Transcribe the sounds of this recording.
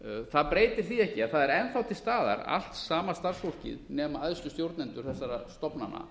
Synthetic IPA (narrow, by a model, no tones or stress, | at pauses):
θaðpɾeːjt̪ɪɾ̥θiɛhcɪaθaðɛɾɛnθawt̪ʰɪlst̪aːða̰ɾa̰l̥t̪saːmast̪ar̥sfor̥cɪ̰ðnɛːmaaðscʏst̪jowɾt̪nɛnt̪ʏɾ̥θɛsːaɾast̪ɔpnanːa̰